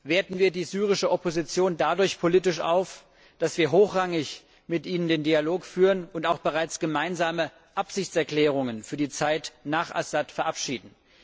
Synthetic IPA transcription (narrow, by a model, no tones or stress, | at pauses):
veːɐtn̩viːɐdiːzyːʁ̞ɪʃəʔɔpozit͡sjoːndadʊɐçpʰoliːtɪʃʔa̰ʊf | d̥asv̥iːɐɦoːxʁ̥aŋɪç | mɪtʔiːnəndeːndialoːkfyːʁənʊntaʊxb̥əʁaɪt͡sɡ̥əmaɪnzaːmə | ʔapz̥ɪçt͡sɛɐkl̥ɛːʁ̞ʊŋənfyːɐdiːt͡saɪtnaːχʔa̰satfɛɐʔapʃiːdn̩